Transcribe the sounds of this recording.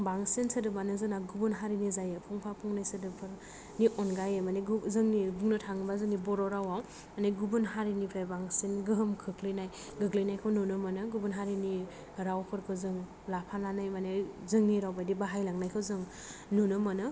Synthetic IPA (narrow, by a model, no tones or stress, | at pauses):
baŋsensɯdɯbanɯzɯnaɡubunɦaɾinizajepʰuŋpʰapʰuŋnajsɯdɯpʰɯɾ | niʔɔnɡajemaneɡzɯŋnibuŋnɯtʰaŋbazɯnibɔɾɔɾawaw | maneɡubunɦaɾinipʰabaŋsenɡɯɦɯmkʰɯkʰlɯjnaj | ɡɯklɯjnajkʰɯwnunɯmanɯɡubunɦaɾini | ɾawkʰɯɾkʰɯzɯŋ | lapʰananajmanezɯŋniɾawbajdibaɦajlaŋnajkʰɯwzɯŋ | nunɯmanɯ